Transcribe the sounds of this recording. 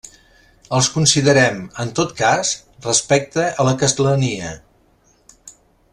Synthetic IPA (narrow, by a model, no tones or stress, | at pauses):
əlˠskunsiðəɾɛmənt̪ot̪kasrəspɛk̚t̪əələkəst̪ələniə